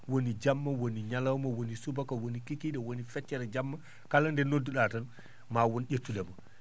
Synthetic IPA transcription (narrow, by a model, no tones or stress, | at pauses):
wonid͡ʒamːɐwoniɲalawmɐwonisubakawonikikiɗɛwonifɛt͡ʃːɛɾɛd͡ʒamːa | kalɐndɛnoduɗatɐl | maːwonɟetːulɛmɐ